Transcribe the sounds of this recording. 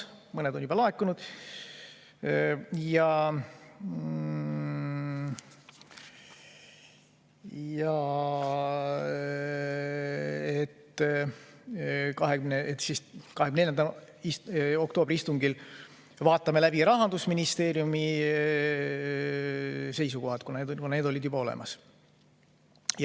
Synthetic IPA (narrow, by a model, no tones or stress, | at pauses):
mɤned̪onʲːyb̥ɑlɑekːˑunud̪̥ | jɑ | jɑ | et̪ː | kɑɦekymneet̪ːsiskɑhekymnejɑnd̪ɑ | iso̞kt̪o̞ːb̥riist̪uŋɡil | vɑːt̪ːˑɑme̞læb̥iɾɑɦɑnd̪usminist̪e̞ːɾjumi | se̞js̬uko̞ɦɑt̪kuned̪kunne̞ːd̪o̞lʲid̪jubɑo̞lḛmʔɑs | jɑ